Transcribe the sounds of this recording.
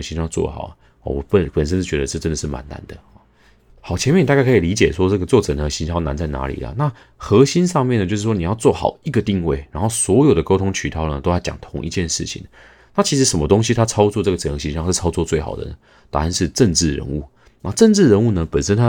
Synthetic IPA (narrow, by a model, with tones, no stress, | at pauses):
ə˧˥ɕi˧˥˧t͡swɔ̰˥˩xɑ̰˨˩ʊ˩ | ɔ̰˨˩wɔ˨˩˦pə˨˩pə˨˩nʂ̬ə˥˦nʂ̩˥˩t͡ɕɥɛ˧d̪ə˧ʈ͡ʂə˥˧ʈ͡ʂə˥nd̪ə˩ʂɻ̩˥˩ma̰˧˦nna̰˧˦nd̪ə˨ɔ˥˩ | xɑ˨˩ʊt͡ɕʰjɛ˧nmjn˨˩a˥˧ka˥˩kʰli˧˦˥t͡ɕjɛ˨˩ʂwɔ˦˥ʈ͡ʂɤ˥˩ɡə˩t͡swɔ˥˩ʈ͡ʂɤ˨˩nə˨˩˧ɕi˧˥ɕɑ˥na̰˧˥nt͡sa˥˩ɪna̰˧˥lḭ˨˩lə̰˩na˥˨ | xɤ˧˥ɕi˥nʂɑ˥˧ŋmjɛ˥˩nə˩t͡ɕo˥˧ʊʂ̬ɻ̩˥˩wɔ˥ni˨˩jɑ˥˧ʊt͡swɔ˥˩xɑ̰˨˩ʊi˧˥ɡə˨t̪i˥˧ŋwe˥˩ɪɻa˧˥nxo˥˩ʊswɔ˧˥jo˨˩ʊd̪ə˩ko˥ʊt̪ʰʊ˥ŋt͡ɕʰy˨˩t̪ʰɑ˥˩ʊnə˩t̪o˥ʊjt͡ɕjɑ̰˨˩ŋt̪ʰʊ˧˥ŋʔḭ˧t͡ɕjɛ˥˧nʂɻ̩˥˩t͡ɕʰḭ˨˩ŋ | na˥˩t͡ɕʰi˧˥ʂ̬ɻ̩˧˥ʂə˧˩nmə˦t̪o˥ŋɕi˧˦t̪ʰa˥t͡sʰɑ˥ʊt͡swɔ˥˧ʈ͡ʂɤ˥˩ɡə˩ʈ͡ʂə˨˩xɤ˧˥˩ɕi˧˥nɕɑ˥˧ŋʂ̩˥˩t͡sʰɑ˥ʊt͡swɔ˥˧t͡swe˥˩ɪxɑ̰˨˩ʊd̪ə̰˦nə˩ | t̪a˥˩˧nʂɻ̩˥˧ʈ͡ʂə˥˧ŋʈ͡ʂɻ̩˥˩ɻə̰˧˦nṵ˥˩˨ | na˥˧ʈ͡ʂə˥˧nʈ͡ʂɻ̩˥˩ɻə˧˥nu˥˩nə˩˨pə˨˩nʂə˥nt̪ʰa˦˥